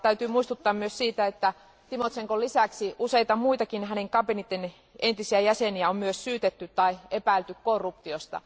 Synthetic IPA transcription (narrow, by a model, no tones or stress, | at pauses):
t̪æyt̪yːmuist̪ut̪ːɑːmmyøssiːt̪æet̪ːæ | t̪imot̪seŋkolisæksiuseit̪ɑmuit̪ɑkinhæneŋkɑpenit̪ːen | ent̪isiæjæseniæommyøssyːt̪et̪ːytt̪ɑiepæilt̪ykkorːupt̪iost̪ɑ̰